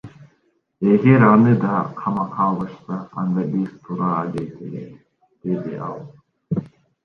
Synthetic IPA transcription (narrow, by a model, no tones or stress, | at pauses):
eɡe̞ɾɑnɯd̪ɑqʰɑmɑqʰɑlˠbɯʃsɑɑnd̪ɑbizt̪ʰuɾɑːd̪ejt̪ʰḛlḛt̪ | d̪̥e̞d̪iʔɑlˠ